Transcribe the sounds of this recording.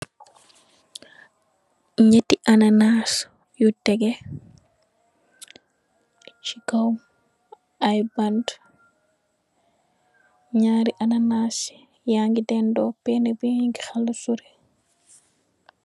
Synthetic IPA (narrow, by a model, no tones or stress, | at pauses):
ɲetːiʔananaːs | jutɛɡɛ | t͡ʃikawm | ajband | ɲaːɾiʔananaːs | jaŋɡidɛndɔpɛnɛbiiŋɡixaldusuɾɛ